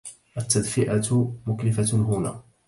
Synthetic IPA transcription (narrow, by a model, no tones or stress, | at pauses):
ʔat̪ːad̪fɪʔamʊklɪfaɦʊna̰ː